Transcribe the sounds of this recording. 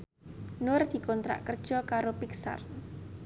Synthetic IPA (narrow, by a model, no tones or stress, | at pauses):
nʊrd̪̥i̤kɔnt̪ɾa̰ʔkərd̥ʒ̥ɔkaɾopiksa̰r